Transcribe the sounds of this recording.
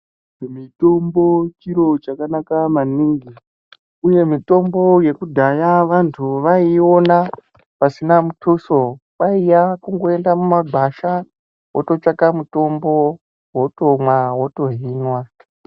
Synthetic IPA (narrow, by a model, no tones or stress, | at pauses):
mito̞mbo̞t͡ʃiɾo̞t͡ʃakanakamaniŋɡi | uje̞mito̞mbo̞je̞kudʱajaʋantʰuʋaio̞na | pasinamutʰuso̞ | ɓaijakuŋɡo̞e̞ndamumaɡʱaʃa | wo̰to̞t͡ʃakamuto̞mbo̞ | wo̞to̞mwawoto̞ɦiːnwa